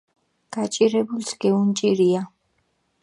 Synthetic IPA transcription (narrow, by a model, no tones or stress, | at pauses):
ɡ̥at͡ʃʼiɾɛbulsɡ̥ɛunt͡ʃʼiɾia